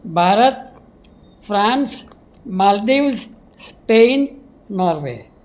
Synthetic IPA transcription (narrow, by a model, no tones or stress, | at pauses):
bʱaːɾət̪̚ | fʰɾãns | maːld̪iwz | speːnː | ɔɾʋḛ